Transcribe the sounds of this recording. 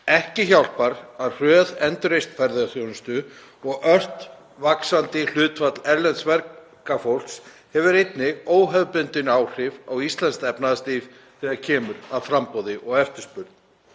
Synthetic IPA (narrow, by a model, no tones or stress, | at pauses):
ɛhcɪçawl̥paɾaðr̥œːðɛnt̪ʏɾejst̪fɛɾðɪaθjownʏst̪ʏ | ɔɣœr̥t̪ | vaksant̪ɪl̥ʏːt̪fat̪lɛɾlɛnt̪svɛɾ | kafowl̥ks | hɛvʏɾejt̪nɪɣoːwɦɛvpʏnt̪ɪnawr̥ɪvawist̪lɛnst̪ɛpnaðst̪if | θɛːɣaɾcʰɛːmʏɾaðfɾampɔwðɪʔɔɣɛft̪ʏspʏɾt̪̚n